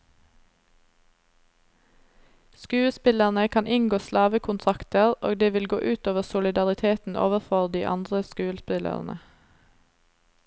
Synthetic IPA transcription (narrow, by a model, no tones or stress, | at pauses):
skʉːəspɪləʁnəkʰɑnʔɪŋɡoːslɑːʋəkʰʊnt̪ʰʁɑkt̪əʁʔo̰ːɡd̪eːʋɪlɡo̰ːʔʉːt̪oːʋəʁsʊlɪd̪ɑʁɪt̪ʰeːt̪n̩ʔo̰ːʋəʁfɔʁd̪iːʔɑ̰nd̪ʁəskʉːəspɪlə̰ʁn̩ʔə̰